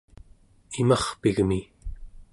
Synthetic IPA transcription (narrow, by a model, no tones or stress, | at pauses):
imɑχpiɣmi